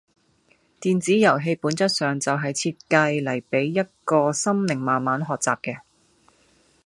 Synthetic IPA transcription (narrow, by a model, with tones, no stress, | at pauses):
t̪iː˨nt͡siː˨˥jɐ˨˩wɦe˧jpuː˨˥nt͡sɐ˥t̚sœː˨ŋt͡sɐ˨wɦɐ˨jt͡sʰiː˧t̚kɐ˧jlɐ˨˩jpe˨˥jːɐ˥t̚kɔː˧sɐ˥mlɪ˨˩ŋmaː˨nmaː˨˥nɦɔː˨k̚t͡saː˨p̚kɛː˧